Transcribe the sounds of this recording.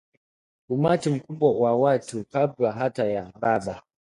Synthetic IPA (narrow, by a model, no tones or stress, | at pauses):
kumatim̩kubɔwawatupabaɦatajababa